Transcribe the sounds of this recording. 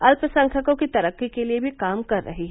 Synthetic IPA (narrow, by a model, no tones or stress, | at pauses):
ɐlpəsɐ̃ŋkʰəkõkit̪ɐɾəkːikeliebʱikaːmkɐɾːɐ̰ɦiɦɛ